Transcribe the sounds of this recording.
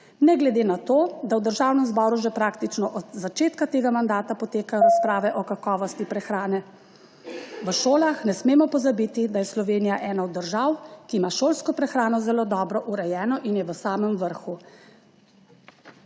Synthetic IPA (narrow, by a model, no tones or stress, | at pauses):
nɛɡlɛd̪eːnat̪oːd̪awd̪əɾʒaːwnɛmzbɔːɾuʒɛpɾaːkt̪it͡ʃnɔʔɔd̪zat͡ʃeːt̪kat̪eːɡamand̪aːt̪apɔt̪eːkajɔɾaspɾaːʋɛʔɔkakɔːʋɔst̪ipɾɛxɾaːnɛ | ʋəʃoːlaxnɛsmeːmɔpɔzabit̪id̪ajɛslɔʋeːnijaʔɛːnaɔd̪ːəɾʒawkiːmaʃoːlskɔpɾɛxɾaːnɔzɛloːd̪ɔːbɾɔʔuɾɛjɛːnɔʔinjɛʋəsaːməmʋəɾxu